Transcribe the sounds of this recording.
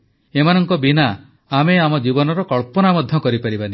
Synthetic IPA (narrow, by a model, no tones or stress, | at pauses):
emanɔŋkɔbinaː | meamɔd͡ʒibɔnɔɾɔkɔɭpɔnamɔd̪ʱjɔkɔɾipaɾibani